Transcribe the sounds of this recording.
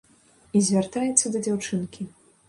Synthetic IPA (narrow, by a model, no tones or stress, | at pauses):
izʲvʲart̪ajɛt̪sːɐd̪ɐd͡zʲawt͡ʂɨnkʲi